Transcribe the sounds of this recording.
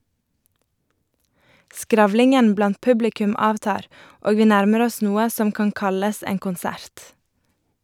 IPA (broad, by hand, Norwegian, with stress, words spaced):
ˈskɾɑʋlɪŋən ˈblɑnt ˈpʉblɪkʉm ˈɑːʋˌtɑːɾ ˈoːɡ ˈʋiː ˈnæɾməɾ ˈɔs ˈnuːə ˈsɔm ˈkɑŋ ˈkɑləs ˈeːŋ kʊnˈsæɾt